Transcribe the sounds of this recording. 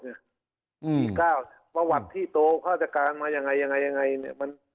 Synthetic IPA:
ɲa˧˩˧ | iː˧˩kaː˥˩wpa˧wa˧˩t̪ʰːiː˥˩t̪oː˧kʰaː˥˩t͡ɕa˧˩kaː˧nmaː˧ja˧ŋa˧jːa˧ŋa˧jːa˧ŋːa˧jnḭ˧˩ɐma˧˥n

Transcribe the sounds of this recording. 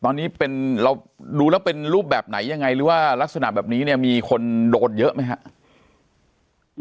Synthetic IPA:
t̪ɔː˧nːiː˦˥pe˧nɾa˧w | duː˧lɛː˦˥wpe˧nɾuː˥˩p̚bɛː˨˩p̚na̰˩˦jːa˧ŋːa˧jɾɯː˩˦waː˥˩la˦˥k̚sa˧na̰˨˩ʔbɛː˨˩p̚niː˦˥ni˥˩ɐmiː˧kʰo˧ndoː˧n̚jɤ˦˥ʔma˦˥jkʰa˦˥ʔ

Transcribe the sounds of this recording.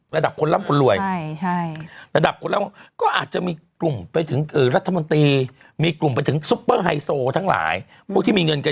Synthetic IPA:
ɾa˧da˨˩p̚kʰo˧nlaː˦˥˩mkʰo˧nlu˨˩əjʰa˥˩jɾa˧da˨˩p̚kʰo˧nlaː˦˥˨kɔː˥˩ʔa̰ː˨˩t̪̚t͡ɕa˨˩ʔmiː˧klu˨˩mpa˧jt̪ʰɯ˩˦ŋʔɯː˨˩ɾa˦˥t̪ʰːa˧mo˧nt̪iː˧ | miː˧klu˨˩mpa˧jt̪ʰɯ˩˦ŋsu˦˥pːɤː˥˩ɦa˧jsoː˧t̪ʰa˦˥ŋla̰ː˩˦j | pʰu˥˩k̪̚ʰiː˥˩iː˧ŋɤ˧nka˧

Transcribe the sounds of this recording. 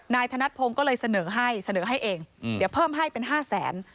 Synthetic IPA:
naː˧jt̪ʰa˧na˦˥t̪̚pʰo˧ŋkɔː˥˩lɤː˧jsa˧nɤː˩˦ɦa˥˩jsa˧nɤː˩˦ɦa˥˩jʔeː˧ŋdi˨˩˦əwpʰɤː˥˩mɦa˥˩jpe˧nɦaː˥˩sɛ̰ː˩˦n

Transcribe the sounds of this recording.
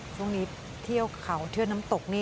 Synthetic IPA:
t͡ɕʰu˥˩ŋniː˦˥ | t̪ʰi˥˩əwkʰa˩˦wt̪ʰɯ˥˩ənaː˦˥mt̪o˨˩k̚niː˥˩

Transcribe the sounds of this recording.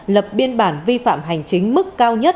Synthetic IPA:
lə˨˩p̚ɓi˧ənɓaː˧˩nvi˧fa̰ː˧˨mɦa˨˩jŋ̟t͡ɕï˨˦ŋ̟mɨ˦˥kkaː˧wɲə˦˥t̚

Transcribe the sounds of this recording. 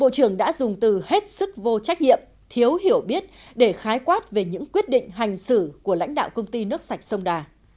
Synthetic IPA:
ɓo̰˧˨t͡ɕɨ˧˩əŋɗa̰ː˧˥zʊ˨˩ŋ͡mt̪ɨ˨˩he˦˥t̚sɨ˦˥k̚vo˧t͡ɕa˦˥k̟̚ɲḭ˧˨əm | t̪ʰi˨˦ə˦wɦi˧˩əwɓi˦˥ət̚ɗe˧˩xaː˨˦jkwaː˦˥t̚ve˨˩ɲɨ̰˧˥ŋkwi˦˥ət̚ɗḭ̈˧˨ŋ̟ɦa˨˩jŋ̟sɨ˧˩ku˧˩əla̰˧˥jŋ̟ɗa̰ː˧˨wkə˧wŋ͡mt̪i˧nɨ˦˥ək̚sa˨˩jk̟̚sə˧wŋ͡mɗaː˨˩

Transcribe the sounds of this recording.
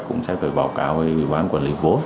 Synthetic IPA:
kʊ̰˧˥ŋ͡msɛ̰˧˥faː˨˩jɓaː˨˩wkaː˧˦whə˧i˨˩ɓaː˨˦nkwaː˨˩nlḭ˧˦vo˨˦n

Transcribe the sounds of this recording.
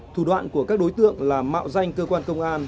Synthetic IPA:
t̪ʰu˨˩ɗwa̰ː˧˨nku˧˩əkaː˦˥k̚ɗo˨˦jt̪ɨ̰˧˨əŋlaː˨˩ma̰ː˧˨wza˧jŋ̟kəː˧kwaː˧nkə˧wŋ͡mʔaː˧n

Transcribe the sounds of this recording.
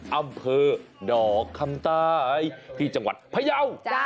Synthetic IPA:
ʔa˧mpʰɤː˧ɗɔː˨˩˦kʰa˧˩mt̪aː˧a˧˩jt̪ʰi˧˩t͡ɕa˧ŋwa̰˨˩t̪̚pʰaː˧˩jaː˧˩w

